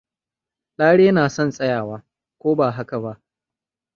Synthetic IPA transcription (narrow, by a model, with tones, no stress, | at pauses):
laː˦ɽeː˦naː˨sɔ˦nsʼɐ˦jaː˨waː˦ | kʷoː˦baː˨ɦa˦ka˨ba˦ʔ